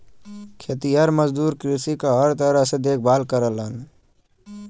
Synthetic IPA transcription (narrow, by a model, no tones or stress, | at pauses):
kʰeːt̪ijaɾməzd̪uːɾkɾisikaɦəɾt̪əɾəsed̪eːk̚ʰbaːlkəɾələn